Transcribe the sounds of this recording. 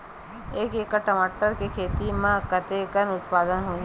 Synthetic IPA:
eːkeːkaʈəmaːʈəɾkekʰeːt̪imãkət̪ekənʊt̪paːd̪ənɦõː

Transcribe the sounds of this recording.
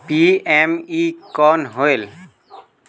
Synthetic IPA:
piemikɔːnɦoel

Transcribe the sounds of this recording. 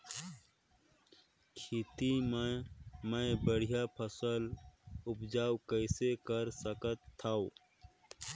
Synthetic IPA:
kʰit̪i | mẽbəɽ̤ijapʰəsəlʊpd͡ʒaːwkəɪsekəɾsəkət̪ʰːaːo

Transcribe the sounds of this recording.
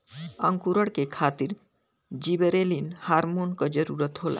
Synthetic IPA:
əŋkuɾəɽkekʰaːt̪iɾ | d͡ʒibəɾelinhaːɾmonkəd͡ʒəɾuɾət̪ɦola̰

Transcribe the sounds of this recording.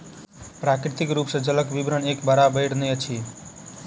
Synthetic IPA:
pɾakɾit̪ikɾupsəd͡ʒələkbibɾənekbəɾabəɪɽneət͡ʃʰi

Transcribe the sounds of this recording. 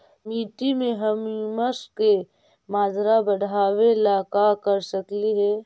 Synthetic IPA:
miːʈimẽɦɐmiməske | maːd͡ʒɾabəɽ̤ʱaːwelaːkakɐɾsɐkliɦɛː

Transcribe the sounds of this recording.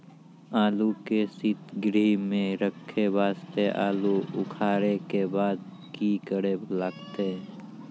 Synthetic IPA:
aːlukesɪt̪ɡɾiːmẽɾəkʰːebaːst̪eʔa̰ːluʊkʰaːɾekebaːd̪ | kikəɽebʱlaːkt̪e

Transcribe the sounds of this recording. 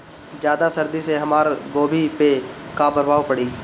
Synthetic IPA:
d͡ʒjaːd̪asɐɾd̪iseɦɐmaːɾɡoːbʱipekabəɾbaːwpɐɽiː

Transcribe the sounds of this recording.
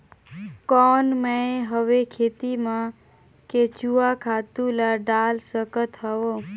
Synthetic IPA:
kɔnməeɦəʋekʰet̪imã | ket͡ʃuakʰat̪ulaɖalsəkət̪ɦəo

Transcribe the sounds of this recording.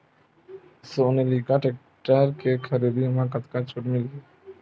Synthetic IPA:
sonelikaʈek̚ | ʈaɾkekʰaɾid̪imakat̪kat͡ʃʰoʈmil

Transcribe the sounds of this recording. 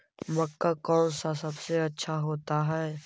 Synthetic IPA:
mɐkːakɔːnsasɐbseɐtːʃʰaɦoːt̪aɦɛː

